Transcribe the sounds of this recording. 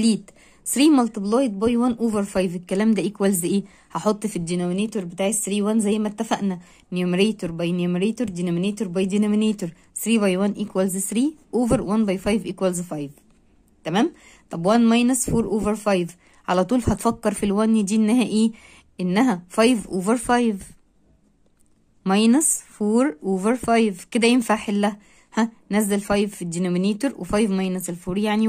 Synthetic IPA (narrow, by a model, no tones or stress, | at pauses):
liːt̪ | sɾiːmɑlt̪ˤeblɑːjet̪̚bɑjwænʔoːveɾfɑjvekːælæːmd̪æʔikwælzʔeː | hɑħot̪ˤːfid̪inomineːt̪oɾbɪt̪aːʕesɾiːwænzæjːmæt̪ːæfæʔnæ | nomɾeːt̪oɾbɑjnomɪɾeːt̪oɾd̪inæmineːt̪oɾbɑjd̪inæmineːt̪oɾ | sɾiːvɑjwænʔikwælzsɾiːʔoːveɾwænbɑjfɑjvʔekwælzfɑjv | t̪æmæːm | t̪ˤɑbwænmɑjnɑsfuːɾʔoːveɾfɑjv | ʕalæt̪ˤuːlhɑt̪fɑkːɑɾˤfilwænːd̪iːʔenːæhæʔeː | ʔenːæɦæfɑjvʔoːveɾfɑjv | mɑjnɑsfoːɾʔoːveɾfɑjvked̪æjenfaʕħelːæ | hæ | næzːælfɑjvfid̪inomineːt̪oɾwʔefɑjvmɑjnɑselfuːɾjaʕni